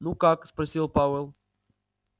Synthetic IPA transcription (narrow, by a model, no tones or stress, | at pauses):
nukakspɐɾsilˠpawɛlˠ